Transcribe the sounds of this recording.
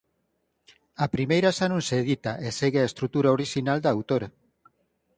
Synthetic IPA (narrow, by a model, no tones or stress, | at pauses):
apɾimejɾasanũŋseːðit̪aʔeseɣeaest̪ɾut̪uɾaoɾiʃinald̪aːwt̪oɾa